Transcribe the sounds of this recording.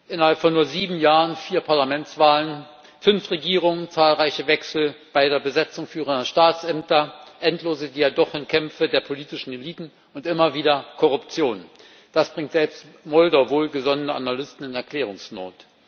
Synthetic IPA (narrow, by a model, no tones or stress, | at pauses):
ʔɪnɐhalpfɔnːuːɐziːbm̩jaːʁənfiːɐpʰaɐlamɛntt͡sv̥aːlən | fʏnfʁeɡiːʁ̞ʊŋənt͡saːlʁaɪçəvɛksl̩b̥aɪdeːɐbəzɛt͡sʊŋfyːʁəndɐʃtaːtsʔɛmtɐʔɛntloːzədiːjadɔχɪnkʰɛmfədeːɐpʰoliːtɪʃn̩eliːtn̩ | ʊntʔɪmɐviːdɐkʰɔʁʊpt͡sjoːn | d̥asb̥ʁɪŋtz̥ɛlpstmɔldaʊvoːlɡəzɔnənəʔa̰nalʏstn̩ɪnɛɐkʰl̥ɛːʁ̞ʊŋsnoːt